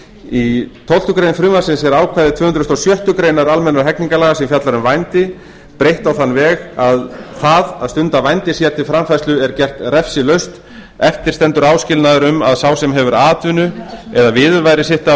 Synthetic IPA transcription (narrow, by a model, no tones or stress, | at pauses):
it̪ʰowl̥t̪ʏkɾejnfɾʏmasɪnsɛɾaːwkʰvaːjðɪt̪ʰvœːhʏnd̪ɾʏst̪owsjœht̪ʏkɾejnaɾalmɛnːaɾɦɛkniŋkalaɣasɛmfjat̪laɾʏmvajnt̪ɪ | pɾejht̪awθanːvɛːɣaðθaðaðst̪ʏnt̪avajnt̪ɪsjɛaɾt̪ʰɪlfɾamfajst̪ʏɛɾcɛr̥t̪rɛfsɪlœɥst̪ | ɛft̪ɪɾ̥st̪ɛnt̪ʏɾaːwscɪlnaðʏɾʏma̰ðsawsɛmɦɛvʏɾaːt̪vʏnʏɛðavɪðvajɾɪsɪht̪a